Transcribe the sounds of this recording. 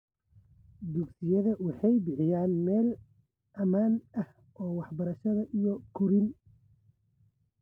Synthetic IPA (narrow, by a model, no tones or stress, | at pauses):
d̪ʊɡsɪjɐðɐwɑħɑjbɪħɪjaːnmɛːl | ʔɐmaːnɐh | ɔːwɑħbɐɾɐʃɐðɐʔijɔkʰʊɾɪn